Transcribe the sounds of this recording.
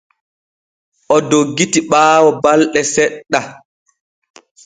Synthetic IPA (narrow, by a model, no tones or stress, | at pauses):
ʔɔdoɡːitiɓaːwɔbalɗɛsɛɗːa